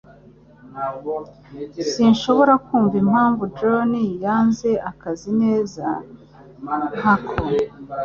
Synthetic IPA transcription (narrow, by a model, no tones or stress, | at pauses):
sinʃo̞βo̞ɾakuːɱvimhaːɱvudɾonijaːnze̞ʔakazine̞ːza̰ | hakʰo